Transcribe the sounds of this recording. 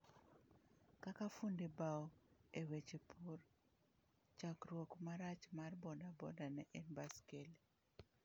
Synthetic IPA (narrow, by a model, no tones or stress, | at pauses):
kakafundibaɔewet͡ʃepʰur | t͡ʃakrwokmaɾat͡ʃmarbɔdabɔ̰danɛʔɛnbaskeli